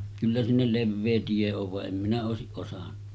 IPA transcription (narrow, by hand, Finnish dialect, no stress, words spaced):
kylːæ sinːel leʋːeː tie oʋ ʋɑʔ ʔem minæ oˑesiʔ ʔosɑn̥ːɑ̥